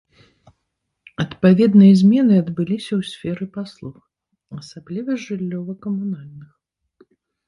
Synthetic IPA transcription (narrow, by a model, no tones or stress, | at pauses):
ɐt̪pavʲɛd̪nɨjɐzʲmʲɛnɨɐd̪bɨlʲisʲɐwsʲfʲɛɾɨpaslˠux | ɐsablʲivɐʐɨlʲːɔvɐkɐmunalʲnɨx